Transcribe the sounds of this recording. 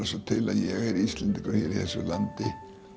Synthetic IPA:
asɔt̪ʰɪlaðjɛɣɛɾist̪lɛnt̪ɪkɾɔjɛɾiθɛsʏlant̪ɪ

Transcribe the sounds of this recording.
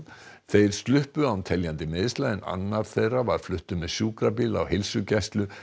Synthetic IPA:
θejɾ̥st̪lʏhpʏawnt̪ʰɛljant̪ɪmɪːðɪst̪aːðɪna̰nːaɾ̥θejrːavaɾ̥flʏht̪ʏmɛðsjuːkɾapiːla̰whɪlsʏcɛst̪lʏ

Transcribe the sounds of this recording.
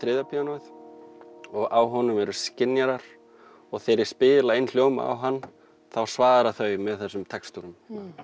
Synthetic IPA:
θɾɪːðapʰianɔjð | ɔɣawɦɔnʏmɛɾʏscɪnjaɾaɾ̥ | ɔɣθejɾɪɾ̥spɪːɪlaejnl̥joːwma̰a̰wɦanː | θawsvaːðɾaθœɥmɛðθɛsːʏmt̪ʰɛkst̪uɾʏm

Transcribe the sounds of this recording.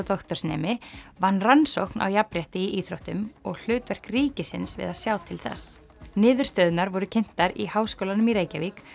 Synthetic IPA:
t̪ɔxt̪œɾ̥snɛ̰ːmɪvanːransowhkna̰wjapɾjɛht̪ɪiʔiːθɾowht̪ʏmɔɣl̥ʏːt̪vaɾ̥kɾiːcɪsɪ̰nsvɪ̰ðaðsjaːwt̪ʰɪlθɛ̰s | nɪːðʏɾ̥st̪œːðʏnaɾvɔɾʏcʰɪn̥t̪aɾihaːwskowlanʏmiɾeːjcavik

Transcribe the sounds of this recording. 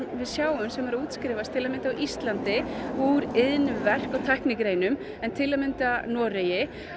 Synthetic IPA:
vɪðsjaːwʏmsɛmɛɾuːt̪skɾɪːvast̪ʰɪlamɪnt̪awʔist̪lant̪ɪvuːɾɪðnvɛr̥kawt̪ʰajhknɪkɾeːjnʏm | ɛnt̪ʰɪlːaðmɪnt̪anɔːɾejɪ

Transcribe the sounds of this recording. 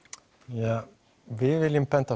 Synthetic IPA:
ja | vɪvɪlɪmpɛnt̪a

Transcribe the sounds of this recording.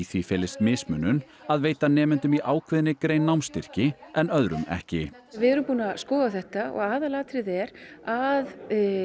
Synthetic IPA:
iθvifɛːlɪst̪mɪːsmʏːnːʏn | aðveːjt̪anɛːmɪnt̪ʏmiʔaːwkʰvɪðɪnɪkɾeːjnːawmst̪ɪr̥cɪɛnœðɾʏ̰mɛ̰hcɪ | vɪðɛɾʏmpuːnaskɔːɣaθɛht̪aɔ̰ɣaːðalaːt̪ɾɪðɛɾað

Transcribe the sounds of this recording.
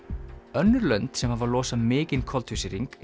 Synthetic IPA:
œnːʏɾlœnt̪sɛmhavalɔːsamɪːcɪnkʰɔlt̪husɪɾiŋk

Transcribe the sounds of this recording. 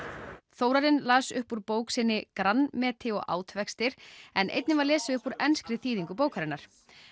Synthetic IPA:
θoːwɾaɾɪnlaːsʏhpuɾpoːwksɪnːɪkɾanːmɛːt̪ʰɪɔ̰ɣa̰ːwt̪vɛkst̪ɪɾ̥ɛnʔḛjt̪nɪvaɾlɛːsɪʏhpuɾɛnskɾɪθiːðiŋkʏp̬oːwkʰaɾɪnːaɾ̥

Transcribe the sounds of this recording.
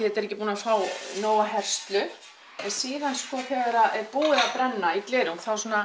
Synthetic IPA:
ɛt̪ɛɾɛːcɪpuːnafaːwnoːwaɦɛr̥st̪lʏ | ɛnsiːðanskɔθɛɣɛɾaðɛpuːɪɾaðpɾɛnːaik̪lɪːɾɪmθawsɔːna

